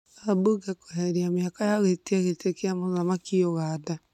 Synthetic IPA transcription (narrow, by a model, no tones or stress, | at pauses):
abuɡɛkoɦɛɾiamjakajaɣetiaɣetekiamozamakioɣada